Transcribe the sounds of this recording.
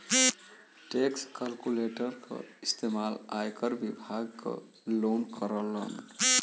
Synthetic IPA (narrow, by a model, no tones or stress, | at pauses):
ʈekskəlkuleʈəɾkʰə̰ist̪emalajkəɾbibʱaɡkə̰ | lonkʰəɾələ̰n